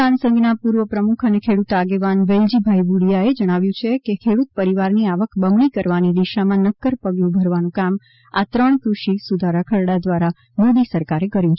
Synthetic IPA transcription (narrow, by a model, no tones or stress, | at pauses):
ansə̃ŋɡnapuɾʋəpɾəmukʰənekʰeɽut̪aɡeʋanʋeld͡ʒibʱajbuɽijaed͡ʒəɽ̃aʋjũt͡ʃʰekekʰeɽut̪̚pəɾiʋaɾniaʋəkbəmɳikəɾʋanid̪iʃamãnəkːəɾpəɡjũbʱəɾʋanũkam | at̪ɾəɳ̃kɾuʃisud̪ʱaɾakʰəɾɽad̪ʋaɾa | mod̪isəɾkaɾekəɾjũt͡ʃʰe